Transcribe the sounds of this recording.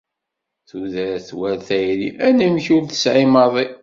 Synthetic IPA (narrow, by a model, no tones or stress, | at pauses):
θuðæɾθwælθæjɾiʔænəmçuɾθə̥sʕɪmɑðˤi